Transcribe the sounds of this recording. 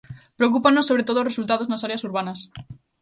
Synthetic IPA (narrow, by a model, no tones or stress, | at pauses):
pɾeok̬upanːosːoβɾet̪oðoresult̪aðoznasaɾeasuɾβ̞anas